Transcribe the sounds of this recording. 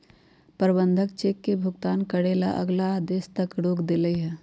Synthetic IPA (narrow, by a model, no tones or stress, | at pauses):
pəɾbə̃nd̪ʱəkt͡ʃeːkːebʱʊɡt̪aːnkəɽeːlaʔə̰ɡlaːd̪eːst̪əkɽoːkd̪ɪləiɦɛ̃ː